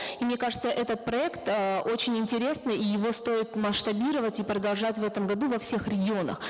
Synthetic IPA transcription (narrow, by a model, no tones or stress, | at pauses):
imnʲe̞kaʐɨt̪səʔɛt̪ət̪̚pɾɐɛkt̪əʔo̞t͡ɕɪnʲɪnʲtʲɪɾʲe̞snɨjijɪvo̞st̪o̞ɪt̪məʂt̪ɐbʲiɾəvətʲipɾəd̪ɐlˠʐatʲvɛt̪əmɡɐd̪uvɐfsʲe̞xɾʲɪɡʲɪo̞nə̰x